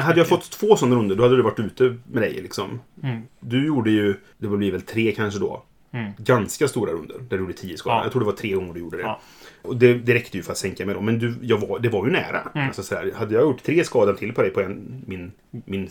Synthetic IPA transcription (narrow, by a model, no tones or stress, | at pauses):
ɦad̪ːəjɑɡfɔt̪ːt̪ʰːv̥oːsɔnːaɾɵnd̪əɖɔhad̪ːəd̪ɵvaʈːʉ̟ːt̪əmɛd̪ɛ̰jlɪksɔm | d̪ɵjuːɖəjɵ | d̪ɛblɪːvɛlt̪ʰɾeːkʰanʂəd̪ɔ̰ː | ɡanskast̪uːɾa̰ɾɵnd̪ə̰ɾnæɖɵjːɖːət̪ʰiːd̪əskɑːda̰jɑt̪ʰɾuːɖ̪ɛvaʈʰɾeːɡɔŋːəɖɵjuːɖəd̪ɛ | ɔd̪ɛd̪ɛɾɛkt̪əjɵfœɾat̪sɛŋkamɛjd̪ɔmɛnd̪ɵjɑːɡvad̪ɛvaɾjɵnæ̰ːɾa̰asɔsɔd̪æ̰ːɾhad̪ːəjɑːɡjʊʈːt̪ʰɾeːskɑːd̪ant̪ʰɪlːpʰɔd̪ɛjpʰɔɛnmɪn | mɪn